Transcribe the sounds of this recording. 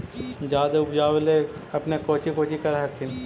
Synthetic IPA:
d͡ʒaːd̪eʊbd͡ʒaːweleɐpnekoːt͡ʃikoːt͡ʃikɐɾɦkʰːɪn

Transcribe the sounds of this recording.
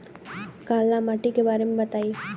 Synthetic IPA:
kaːlːamaʈikebaːɾemẽbɐt̪aːi

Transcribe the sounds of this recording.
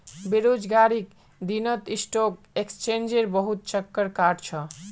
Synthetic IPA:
beɾod͡ʒɡaɾik | d̪inɔt̪isʈok | ekst͡ʃend͡ʑeɾbɔɦut̪̚t͡ʃəkːəɾkaɖt͡ɕʰɔ

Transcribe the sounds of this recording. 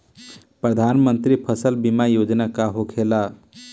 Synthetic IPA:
pɾəd̪ʱanmənt̪ɾipʰəsəlbimajod͡ʒnakaɦokʰela

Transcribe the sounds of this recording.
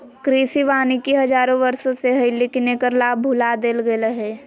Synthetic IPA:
kɾiːsiʋaːnikiɦɐd͡ʒaːɾõʋɐɾsõseɦɐɪliknekəɾlaːbbʱʊlad̪eːlɡelɐɦeː

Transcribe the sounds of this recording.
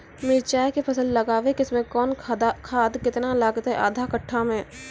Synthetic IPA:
mɪɾt͡ʃaːekepʰɐsəlːɐɡaːʋekɪsmẽkɔːnkʰaːd̪kɪt̪nalaːɡət̪ɦɛʔa̰ːd̪ʱakɐʈʰːamẽː

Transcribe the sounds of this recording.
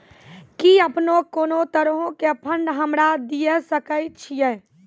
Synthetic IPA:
kiəpnokoːnot̪əɾɦõkeəpʰə̃nɖ̪ɦəmɾad̪ijesəkət͡ʃʰijɛ

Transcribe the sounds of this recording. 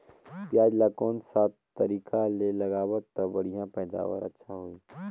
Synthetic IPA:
pjaːd͡ʒlakɔːnsaːt̪t̪ɐɾiːkalelɐɡaːbət̪ːɐbɐɽ̤ijãpɛːd̪a̰ːʋə̰ɾɐ̰tːʃʰaɦoiː

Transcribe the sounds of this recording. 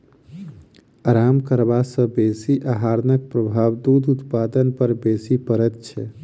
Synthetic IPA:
aɾamkəɾbasə̃besiʔaɦaɾnək̚pɾəbʱabd̪ud̪ʱut̪pad̪ənpəɾbesipəɾɛt̪t͡ʃʰɛ

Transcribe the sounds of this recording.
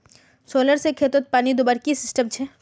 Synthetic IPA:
soːləɾsekʰeːt̪ot̪̚paːnid̪oːbaːɾkisɪsʈəmt͡ʃʰɛ

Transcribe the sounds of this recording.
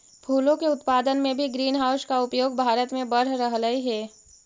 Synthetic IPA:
bʱuːlõkeʊt̪paːd̪ənmẽbʱiɡɾiːnɦaːʊskaʊpjoːɡbʱaːɾət̪mẽbɐɾɾəɦləiɦɛː

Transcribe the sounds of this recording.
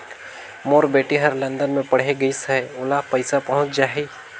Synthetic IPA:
moːɾbeːʈiɦɐɾlə̃nd̪ənmẽpɐɽ̤ɦeɡɐisəɦʊlapəɪsapɐɦʊ̃t͡ʃd͡ʒaːɦe

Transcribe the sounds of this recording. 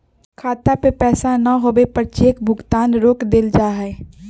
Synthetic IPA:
kʰaːt̪apepɛːsanɐɦoːbepɐɾt͡ʃeːkbʱʊɡt̪aːnɾoːkd̪eld͡ʒaːɦɛː

